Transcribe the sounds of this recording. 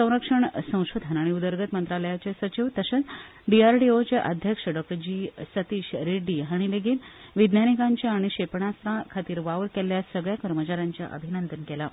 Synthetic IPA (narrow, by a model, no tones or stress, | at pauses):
sə̃w̃ɾəkʂəɳsə̃w̃ɕod̪ʱənaɽ̃iud̪əɾɡət̪mənt̪ɾaləjat͡ɕasət͡ɕiʋt̪əɕət͡s | ɖiaɾʈiot͡ɕeʔəd̪ʱjəkʂəɖɔk̚ʈəɾd͡ʑiːsət̪iːɕɾeɖiɦaɽ̃ileɡiːnʋid̪njanikãɲt͡ɕjaːɽ̃iɕepɳast̪ɾãkʰat̪iːɾʋaʋəɾkeljasəɡɭjakəɾmət͡ɕaɾjaɲt͡ɕja̰ʔə̰bʱinənd̪ənkɛla